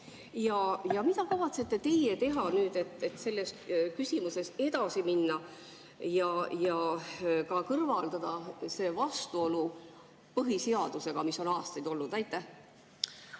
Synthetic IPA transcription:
jɑjɑmit̪ɑkɑvɑt̪se̞t̪ˑːe̞t̪e̞je̞t̪e̞ɦɑnyːd̪̥e̞t̪ˑːet̪se̞lːe̞skysʲimuse̞se̞d̪ɑsiminːɑ | jɑjɑkɑkɤrvɑld̪̥ɑd̪̥ɑse̞ːvɑst̪uo̞lu | pɤɦiseɑd̪̥use̞ɡ̥ɑmiso̞nɑːst̪ɑjd̪̥o̞lːud̪æjt̪ˑːæh

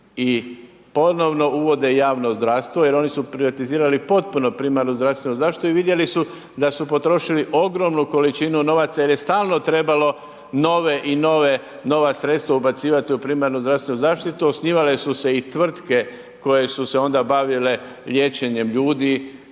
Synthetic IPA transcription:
i | po̞no̞ʋno̞uʋo̞d̪e̞jaːʋno̞zd̪ɾaʋst̪ʋoje̞ɾo̞nisupɾiʋat̪iziːɾalipo̞t̪̚puno̞pɾimaɾnuzd̪ɾast̪ʋenuzaːʃt̪it̪t̪uiʋid̪je̞lisu | d̪asupo̞t̪ɾo̞ʃiliʔo̞ɡɾo̞mnuko̞lit͡ʃinuno̞ʋat̪sajeɾje̞st̪aːlˠno̞t̪ɾe̞balo̞ | no̞ʋeʔino̞ʋe | no̞ʋasɾe̞t̪st̪ʋaubat̪siːʋat̪iupɾiːmaɾnuzd̪ɾafst̪e̞nuzaːʃt̪it̪uosniːʋale̞suse̞it̪ʋr̩t̪ke̞ | ko̞je̞suse̞o̞nd̪abaʋile | ʎʲje̞t͡ʃe̞ɲe̞mʎuːd̪i

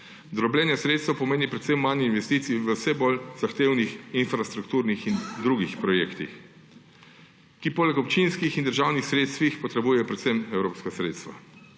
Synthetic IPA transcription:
d̪ɾɔblʲɛːnjasɾet̪st̪əwpɔmeːnipɾɛt̪semːaninʋɛst̪iːt̪sijiʋəwsɛbolzaxt̪eːwnixinfɾast̪ɾukt̪uːɾnixind̪ɾuɡixpɾɔjeːkt̪ḭx | kipoːlɛkɔpt͡ʃinskixind̪əɾʒawnixsɾeːt̪st̪ʋixpɔt̪ɾɛbuːjɛjɔpɾɛt̪səmɛwɾoːpskasɾeːt̪st̪ʋa̰

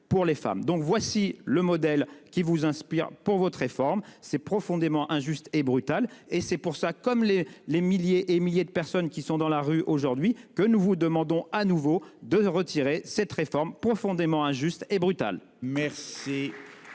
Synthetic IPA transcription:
puʁlefa̰md̪ɔ̃kvwasiləmɔd̪ɛlkʲivuzɛ̃spiʁpuʁvɔt̪χefɔʁmsɛpχɔfɔ̃d̪emɑ̃ʔɛ̃ʒyst̪ebʁyt̪alesɛpuʁsakɔmlelemiljeʔemiljed̪əpɛʁsɔnkʲisɔ̃d̪ɑ̃laʁyʔoʒuʁd̪ɥikənuvud̪əmɑ̃d̪ɔ̃anuvod̪əʁət̪ʰiʁesɛt̪χefɔʁmpχɔfɔ̃d̪emɑ̃ɛ̃ʒyst̪ebʁyt̪a̰l | mɛʁsi

